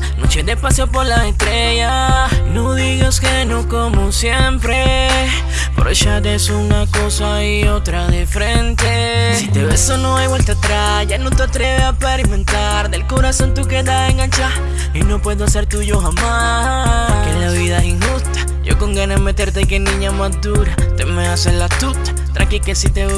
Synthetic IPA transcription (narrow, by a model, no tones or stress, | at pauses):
no̰t͡ʃed̪e̞paseopo̞ɾlase̞st̪ɾe̞ʝa | noðiɣoskenokomosje̞mpɾe | poɾeʃat̪esunako̞sa | io̞t̪ɾaðefɾe̞nt̪e̞ | sit̪e̞βe̞so̞no̞ajβwe̞lt̪at̪ɾa | ʝanot̪eat̪ɾe̞βeapaɾimẽ̞nt̪a | ɾðe̞lko̞ɾaso̞nt̪uke̞ðaeŋɡant͡ʃaɾ | ino̞pwe̞ðoase̞ɾt̪uʝo̞xama | kenlaβiðaesiŋxust̪ḁ | ʝo̞̰ko̞ŋɡaname̞t̪e̞ɾt̪eajkenĩɲamazd̪uɾat̪emeaselat̪ut̪ḁt̪ɾa̰kike̞sit̪e